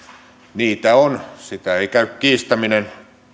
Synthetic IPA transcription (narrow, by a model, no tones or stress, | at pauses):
niːt̪æonsit̪æeikæykkiːst̪æminen